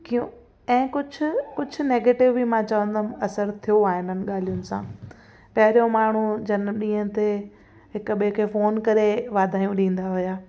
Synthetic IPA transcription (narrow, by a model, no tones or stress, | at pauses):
kijũ | ɛ̃ːkʊd͡ʑʱʊ̆kʊd͡ʑʱʊ̆neːɡeːʈɪʋbimãt͡ɕɐʋə̃nd̪mɐsəɾt̪ʰijoaːɦɪnənɪ̆ɠaːl̤ijʊnɪ̆sã̰ː | pɐɦɪɾijõmaːɳ̤ud͡ʑɐn̆ɗĩːɦə̃t̪e | ɦɪkʊɓiẽkʰeːfoːnkɐɾeʋaːd̪ʱaːijũɗĩːn̆d̪aɦʊjaː